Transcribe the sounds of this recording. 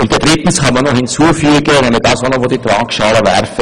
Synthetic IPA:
ʊnt̚ɛd̥ʁɪtn̩shɑnmɐnohɪnt͡suːəfyːɡənɛmlɪɡ̚d̥ɑːsʋonovoːditraːkʃɑːləvɛɾfə

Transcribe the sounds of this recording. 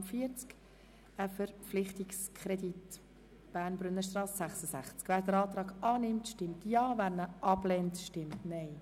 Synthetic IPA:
fiəɾt͡sk | əfəɾpflɪχtikskʰɾedit | b̥æːɾnbɾʏnːəʃtrɑːsːæχsəsæχt͡skvæːɾdəɾɑːt̪ɾɑːɡɑːnɪmtʃtɪmtjɑːvæːɾnəʔɑblɛntʃtɪmtnɛɪ

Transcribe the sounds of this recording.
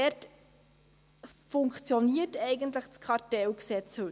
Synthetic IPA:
ɛt | fʊŋkt͡sjoniːətɛɪɡəntləχskʰɑɾtɛlksɛt͡sə

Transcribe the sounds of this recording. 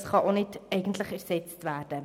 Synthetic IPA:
sχɑʔɔlˠnitɛjkəntləkærsɛtstværdə

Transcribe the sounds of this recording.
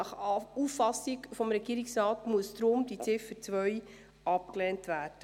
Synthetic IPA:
ɑχufːɑsɪkfɔmɾɛɡiːɾiksɾɑːtmuəstɾʊmd̥it͡sɪfəɾt͡sʋœʏ | ɑp̚kleːntvæːrd̥ə

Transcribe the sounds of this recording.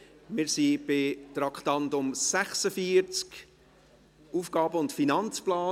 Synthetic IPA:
mɪːɾsib̥ɪt̪ɾɑkχtɑntʊmsæχsəfiəɾt͡sk | uːfɡ̥ɑːbəʊntfinɑnt͡splɑː

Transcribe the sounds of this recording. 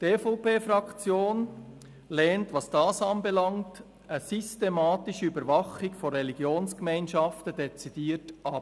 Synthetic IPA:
d̥eːfɔpeːfɾɑkt͡sjoːn | lɛːntvɑsd̥ɑːsɑnbelɑŋt | əsystemɑːtɪʃəybəɾvɑχɪɡfɔɾːɛliɡjoːnskmæɪnʃɑftəd̥ɛt͡sid̥iːətʔɑp

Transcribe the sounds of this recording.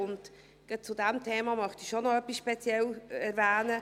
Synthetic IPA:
ʊnt | ɡ̥ət͡sʊdæmt̪ʰeːmɑmœχtiʃonɔœpisʃpɛt͡sijɛlɛɾvæːnə

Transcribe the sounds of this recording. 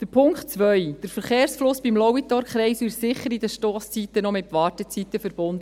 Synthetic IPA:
d̥əpʰʊŋktt͡sʋœjd̥əɾfəɾχeːɾsflʊsb̥imlɔit̪ɔɾkχɾɛɪsɪsɪχːəɾidəʃtoːst͡sit̪ːənɔmɪtʋɑːtət͡sit̪ːəfəɾb̥ʊnd̪ə

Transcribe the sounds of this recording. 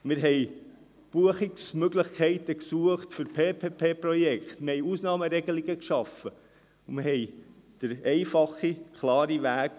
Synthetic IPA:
mɪɾɦɛj | b̥uəχiksmøɡlɪχkʰɛɪt̪əksuəχt̪fʏɾpʰeːpʰeːpʰeːprɔjɛkχt̪mɪhɛjusnɑːməɾɛɡəliɡəkʃɑfə | ʊmɪɾhɛɪ | d̪̥əɾɛɪfɑχikʰlɑːɾiʋæːɡ

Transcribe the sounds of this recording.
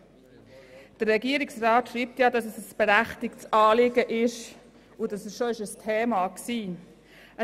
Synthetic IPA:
d̥əɾrɛɡiːəɾɪksrɑːtʃɾiːp̚tjɑdɑsɛsəsb̥ɛɾæχtɪktsɑːlɪɡəʔɪʃ | ʊdɑsɛsʃoɪʃəstʰeːmɑksiː | ə

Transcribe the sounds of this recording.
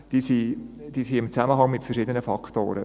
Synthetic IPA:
d̥iːsi | d̪̥iːsiɪmt͡sæməɦɑŋmɪtfərʃɪdənəfɑkʰt̪o̰ːɾə

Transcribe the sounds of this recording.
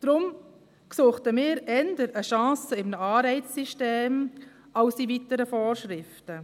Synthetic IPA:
d̪̥ɾʊm | ksuːχtəmɪːɾɛndəɾəʃɑ̃ːsəɪmnəɑːɾbɛɪssiʃteːm | aʊsivitəɾəfoːrʃɾɪftə

